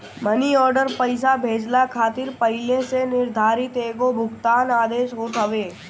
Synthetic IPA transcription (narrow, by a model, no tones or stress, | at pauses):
məniɔːɾɖəɾpəɪsabʱeːd͡ʒlakʰaːt̪ɪɾpəɦɪlẽsenɪɾd̪ʱaːɾɪt̪eːɡobʱʊɡt̪aːnaːd̪eːʃɦoːt̪ɦɐʋeː